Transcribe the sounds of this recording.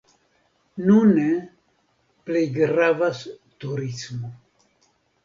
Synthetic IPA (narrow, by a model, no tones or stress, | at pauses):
nune | plejɡɾavast̪uɾismo